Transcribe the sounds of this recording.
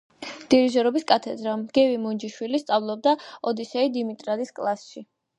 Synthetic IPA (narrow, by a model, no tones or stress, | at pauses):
d̪̥iɾiʒɛɾɔbiskʼat̪ʰɛd̪ɾamɡ̥ɛvimund͡ʒiʃwilist̪sʼavlˠɔb̚d̪aɔd̪isɛid̪imit̪ʼɾad̪iskʼlˠasʃi